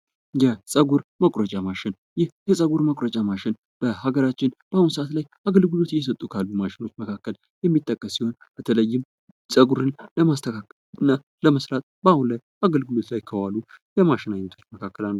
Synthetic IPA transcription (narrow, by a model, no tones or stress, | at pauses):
jɛsʼəɡuɾməkʼɾət͡ʃʼamaʃɪn | jɪhjɛsʼəɡuɾməkʼɾət͡ʃʼamaʃɪn | b̥əhaɡəɾat͡ʃːɪnb̥ahunsəʔat̪laj | aɡəlɡɨlo̞t̪jːɛs̬ət̪ʼːukʰalːumaʃɪno̞t͡ʃːməkʰakːəl | jɛmːit̪ʼːəkʼːəsːiho̞nbət̪ʰələjːɪm | sʼəɡuɾɨnləmast̪ʰəkʰak | nːa | ləməsɾat̪ʼbahunlaj | aɡəlɡɨlo̞t̪lajkʰəwalujɛmaʃɪnaɲːɛt̪ʰo̞t͡ʃːməkʰakːəlalːə